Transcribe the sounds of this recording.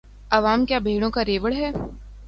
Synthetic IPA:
ɐʋaːmkjaːbʱeːɽ̃õkaɾeːʋəɭɦɛː

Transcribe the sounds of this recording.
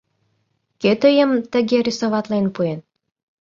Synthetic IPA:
ket̪ə̆jə̆mt̪ə̆ɣʲeɾʲisoβɑt̪lenpuen

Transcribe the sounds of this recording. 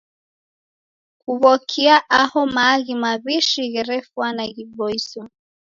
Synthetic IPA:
kuβɔkʰiaʔahɔmaɣimaβiʃiɣɛɾɛfwanaɣiɓɔisɔ

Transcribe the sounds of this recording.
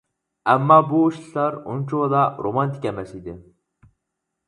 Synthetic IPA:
ɛmːɑbuuʃɨlˠɑɾṵnt͡ʃʰod̪ɑɾʔomɑnt̪ʰi̥kʲɛmɛsid̪ɪ

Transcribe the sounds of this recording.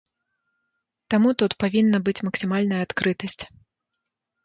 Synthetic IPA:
t̪amut̪ut̪pavʲinːɐbɨt͡sʲmɐksʲimalʲnɐjɐat̪kɾɨt̪ɐsʲt͡sʲ

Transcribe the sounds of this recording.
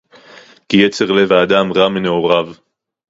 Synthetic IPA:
kijet͡se̞ʁlevaːd̪amʁamene̞o̞ʁav

